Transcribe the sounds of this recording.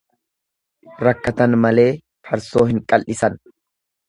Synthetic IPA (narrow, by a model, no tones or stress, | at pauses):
ɾɐkːɐt̪ɐnmɐle̞ː | pʰɐɾso̞ːhɪŋkʼɐlʔɪsɐn